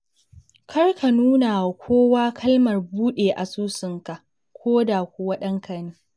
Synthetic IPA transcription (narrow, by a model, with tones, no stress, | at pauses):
kʰɐ˦rkʰa˨nuː˦na˨kʷʰoː˦waː˦kʰɐ˦lmɐ˨rbuː˦ɗeː˨ʔa̰˨suː˦sɪ˨ŋka˨ʔ | kʷoː˦da˨kʷu˨wɐ˦ɗɐ˦ŋkɐ˨niː˦